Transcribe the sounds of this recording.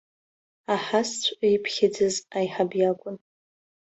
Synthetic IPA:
aħast͡ɕʷʰʼjpʰχʲɪd͡zɨzajħabjakʷʼʊn

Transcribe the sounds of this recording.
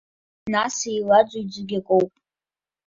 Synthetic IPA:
nasejlad͡ʒʷʼʊd͡zʷɨɡʲakʷʼowpʼ

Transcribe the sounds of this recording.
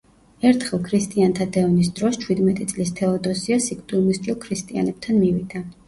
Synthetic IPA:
ɛɾt̪ʰχɛlˠkʰɾist̪ʼiant̪ʰad̪ɛɔnis̬d̪ɾɔst͡ʃʰwid̪mɛt̪ʼit̪sʼlist̪ʰɛɔd̪ɔsiasikʰt̪ʼumist̪ʼiɔlˠkʰɾist̪ʼia̰nɛb̥̚t̪ʰanmivid̪̥a

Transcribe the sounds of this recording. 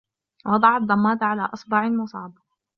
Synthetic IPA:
wɑd̪ˤɑʕɑd̪ˤːɑmːɑːd̪ʕala̰ːʔɑsˤbɑʕɪlmʊsˤɑ̰ːbɑ

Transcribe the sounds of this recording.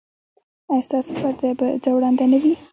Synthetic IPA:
ɑjst̪ɑso̥faɾd̪abad͡zawɽɑnd̪anəwi

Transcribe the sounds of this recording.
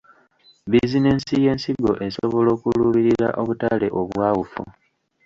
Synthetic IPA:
bizine̞ːnsije̞ːnsiɡo̞ʔe̞soβo̞lo̞ːkuluːβiɾiɾa̰ʔo̞βutale̞ʔo̞βwaːwufṵ

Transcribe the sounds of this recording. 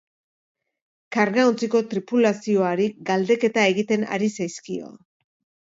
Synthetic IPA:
kaɾɣaunt͡siko̞t̪ɾipulasio̞aɾiɡald̪e̞ke̞t̪ae̞ɣit̪e̞na̰ɾisajskio̞̰

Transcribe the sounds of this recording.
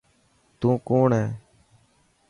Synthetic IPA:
t̪ũːkoːɳɦɛː

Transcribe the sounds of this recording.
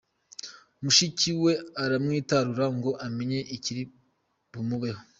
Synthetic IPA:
muʃiciwe̞aɾamŋiːtaɾuɾaŋɡo̞ʔameɲe̞ʔiciɾi | bumuβeho

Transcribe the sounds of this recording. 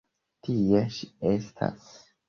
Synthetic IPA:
tʰijeʃiestʰa̰s

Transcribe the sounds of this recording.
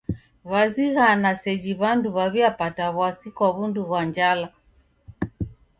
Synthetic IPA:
βaziɣanasɛd͡ʒiβanduβaβiapataβwasikwaβunduβwaɲd͡ʒala

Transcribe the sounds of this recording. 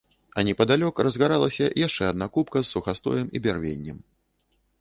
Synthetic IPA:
ɐnʲɛpɐd̪alʲɔkrɐzɣaɾalˠɐsʲɐjaʂt͡ʂɛɐd̪nakupkɐsːuxast̪ɔ̰jɛmibʲarvʲḛnʲːɛm

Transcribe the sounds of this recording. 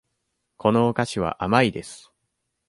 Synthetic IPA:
kʰo̞no̞ːkaɕiβ̞a̰ʔamaid̪e̞sɨ̥

